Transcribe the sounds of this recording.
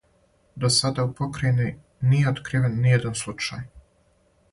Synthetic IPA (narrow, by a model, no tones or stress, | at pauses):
d̪osad̪aupo̞kɾajni | nije̞ot̪kɾiːʋenːijed̪anslˠut͡ʃa̰ːj